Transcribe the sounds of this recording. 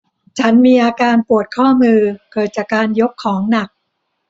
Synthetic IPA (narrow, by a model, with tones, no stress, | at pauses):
t͡ɕʰa˦˥nmiː˧ʔaː˧kaː˧npu˨˩ət̪̚kʰɔː˥˩mɯː˧kɤː˨˩t̪̚t͡ɕaː˨˩kːaː˧njo˦˥kʰːɔː˩˦ŋna˨˩k̚